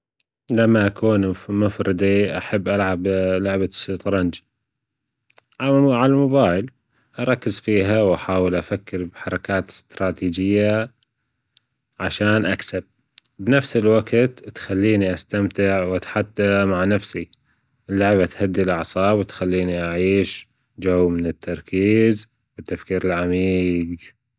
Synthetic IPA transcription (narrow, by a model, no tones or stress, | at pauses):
lamːaʔakuːnmʊfɾɨd̪ˤiʔaħabːʔalʕablʊʕbaʃt̪ˤɾˤɑnd͡ʒ | ʕaʕalamʊbaːjɪl | ʔɑɾˤɑkːɪzfiːɦawʔaħaːwɪlʔafakːɪɾbħɑɾˤɑkaːt̪ɪ̥st̪ɾˤɑːt̪iːd͡ʒɪjːa | ʕaʃaːnʔaksab̚ | bnafsɪlwaɡt̪t̪xalːiːniʔast̪amt̪ɪʕwʔat̪ħat̪ːamaʕnafsi | ʔɪlːʊʕbat̪had̪ːilʔɑʕsˤɑːbwɪt̪xalːiːniʔaʕiːʃ | d͡ʒawːmɪnɪt̪ʰːɑɾˤkʰiːz | bɪt̪ːafkiːɾɪlʕamiːɡ